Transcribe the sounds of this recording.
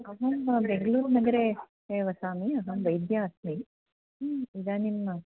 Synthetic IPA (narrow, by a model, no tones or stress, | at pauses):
ɐɦɐbeŋɡɐluːɾnɐɡɐɾe | eːʋɐsaːmiɐɦɐʋɐjd̪jaːɐsmi | id̪aːnimɐ